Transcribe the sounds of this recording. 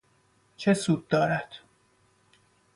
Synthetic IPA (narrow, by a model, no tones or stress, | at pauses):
t͡ʃʰesuːd̪̚ːɒːɾæd̪̥